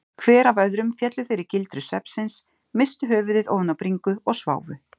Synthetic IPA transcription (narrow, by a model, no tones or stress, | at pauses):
kʰvɛːɾavœðɾʏmfjɛt̪lʏθejɾɪcɪlt̪ɾʏsɛpsɪns | mɪst̪ʏɦœːvʏðɪðo̰ːwnawpɾiŋkʏɔɣsva̰ːwvʏ̰